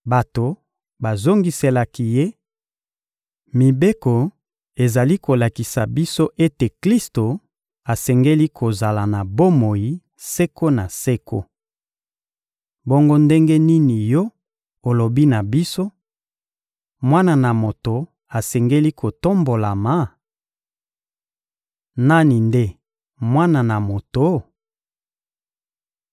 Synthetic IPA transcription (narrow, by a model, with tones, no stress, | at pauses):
ba˨to˨ | ba˨zo˦ŋɡi˦se˨la˨ki˦je˦ | mi˨be˦ko˨ | e˨za˨li˦ko˨la˨ki˨sa˨bi˦so˦ʔe˦te˨kli˦sto˨ | a˨sɛ˨ŋɡe˦li˦kʰo˨za˨la˨na˨bo˦mo˨ji˨˦ | se˦ko˦na˨se˦ko̰˦ | bo˦ŋɡo˦nde˦ŋɡe˦ni˦ni˨jɔ˦ | o˨lo˨bi˦na˨bi˦so˦ | mwa˦na˨na˨mo˨to˨ | a˨sɛ˨ŋɡe˦li˦kʰo˨to˦mbo˨la˨ma˨˦ | na˦ni˨nde˦ | mwa˦na˨na˨mo˨to˨